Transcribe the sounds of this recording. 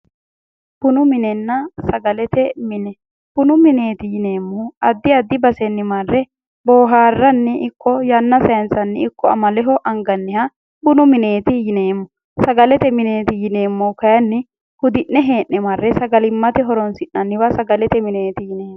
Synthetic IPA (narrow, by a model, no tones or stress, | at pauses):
b̥ʊnʊmɪnɛnːɐsɐɡɐlɛt̪ɛmɪnɛ | b̥ʊnʊmɪne̞ːt̪ɪjɪne̞ːmːɔɐd̪ːɪɐd̪ːɪbɐsɛnːɪmɐrːɛ | bo̞ːɦaːrːɐnːɪʔɪkʰːɔjɐnːɐsɐjɐnsɐnːɪɪkːɔɐ̰mɐlɛɦɔʔɐŋɡɐnːɪhɐ | bʊnʊmɪneːt̪ɪjɪneːmːʊ | sɐɡɐlɛt̪ɛmɪneːt̪ɪjɪne̞ːmːɔkɐjɐnːɪ | hʊd̪ɪʔːɛɦe̞ːʔːɛmɐrːɛsɐɡɐlɪmːɐt̪ɛɦɔɾɔnsɪnːɐnːɪwɐsɐɡɐlɛt̪ɛmɪneːt̪ɪjɪneːmːɔ